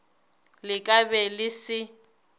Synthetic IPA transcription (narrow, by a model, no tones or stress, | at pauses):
lɪkʼabɛlɪsɪ